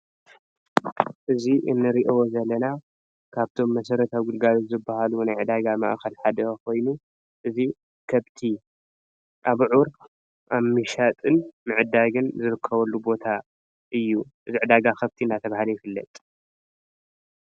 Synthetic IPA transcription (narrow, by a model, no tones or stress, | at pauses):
ʔɨziʔɨnːɨɾiʔwozɐlːɐna | kʰaβt̪ʰo̞mːɐsɐɾɐt̪ʰawɡɨlɡalozɨbːahalunajʕɨd̪aɡama̰ʔxɐlħad̪ɐkʰo̞jnu | ʔɨzi | kʰɐβt̪ʰi | ʔaβʕuɾ | ʔaβmɨʃat̪ʼɨnmɨʕɨd̪aɡɨnzɨɾɨkʰːɐβɐlːubo̞t̪ʰa | ʔɨjːuʔɨziʕɨd̪aɡakʰɐβt̪ʰiɨnːat̪ʰɐβahalɐjɪfɨlːɐ̰t̪ʼ